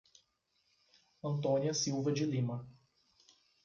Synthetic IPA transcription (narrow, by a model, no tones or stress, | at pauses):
ɐ̃nt̪õniɐsiwvɐd͡ʒɪlĩmɐ